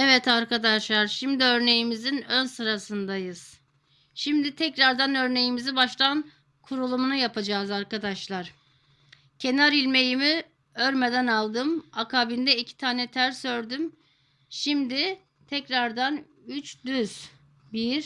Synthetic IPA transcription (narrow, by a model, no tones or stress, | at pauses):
ɛvɛt̪aɾkad̪aʃlˠaɾʃimd̪iø̞ɾne̞jimizinø̞nsɯɾasɯnd̪ajɯz̥ | ʃimd̪it̪ʰɛcɾaɾd̪anø̞ɾne̞jimizibaʃlˠan | kʰuɾulˠumunujapʰad͡ʒaːzaɾkad̪aʃlˠaɾ̥ | cʰe̞naɾilʲme̞jimi | øɾme̞d̪ænalˠd̪ɯmakʰaːbind̪ɛicʰi̥t̪ʰaːnɛt̪ʰæɾsø̞ɾd̪ym | ʃimd̪i | t̪ʰɛcɾaɾd̪an | yt͡ʃd̪yz̥ | biɾ̥